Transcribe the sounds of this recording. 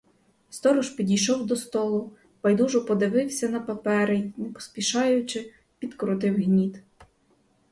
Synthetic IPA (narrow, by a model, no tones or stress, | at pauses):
st̪ɔɾʊʒpʲidʲijʃɔwd̪ɔst̪ɔlˠʊ | bɐjd̪uʒʊpɔd̪ɪʋɪwsʲɐnɐpɐpɛɾɪjnɛpɔ̥spʲiʃɑjʊt͡ʃɪ | pʲid̪kɔɾʊt̪ɪwɦnʲit̪